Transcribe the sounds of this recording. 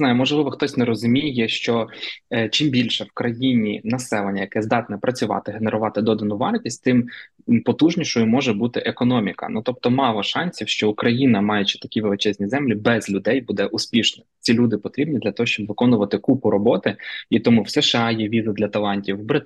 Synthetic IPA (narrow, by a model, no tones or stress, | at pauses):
nɑjʊmɔʒlˠɪʋɔxt̪ɔsʲnɛɾɔzʊmʲijɛʃt͡ʃɔ | t͡ʃimbʲilʲʃɛwkɾɐjinʲinɐsɛlˠenʲːɐjɐkɛzd̪ɑt̪nɛpɾɐt͡sʲʊʋɑ̰t̪ɪɦeneɾʊʋɑt̪ɪd̪ɔd̪ɐnʊʋɑrtʲisʲt̚ʲt̪ɪm | pɔt̪uʒnʲiʃʊjʊmɔʒɛbut̪ɪʔekɔnɔmʲikɐ̰nut̪ɔp̚t̪ɔmɑlˠɔʃɑnʲsʲiwʃt͡ʃɔʊkɾɐjinɐmɑjɛt͡ʃi̥t̪ɐ̥kʲiʋelˠɪt͡ʃɛzʲnʲizɛmlʲibɛzlʲʊd̪ɛjbud̪ɛʔʊspʲiʃnɔt͡sʲilʲud̪ɪpɔt̪ɾʲibnʲid̪lʲɐt̪ɔɦɔʃt͡ʃɔbʋɪkɔnʊʋɐt̪ɪkupʊɾɔbɔt̪ɪit̪ɔmuwseʃɑjɛʋʲizɐd̪lʲɐt̪ɐlˠɑnʲtʲiwbɾɪ